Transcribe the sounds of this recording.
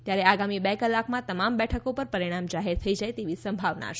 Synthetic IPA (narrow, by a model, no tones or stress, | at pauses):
t̪jaɾeaɡamibɛkəlːakmãt̪əmambɛʈʰəkopəɾpəɾiɽ̃amd͡ʒaɦeɾt̪ʰəid͡ʒajt̪eʋisəmbʱaʋna̰ʃ